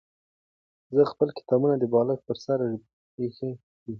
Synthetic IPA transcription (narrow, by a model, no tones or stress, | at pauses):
zəxpəlkɪ̥t̪ɑbunad̪əbɑlak̪̚pəɾsaɾ | pexe | d̪i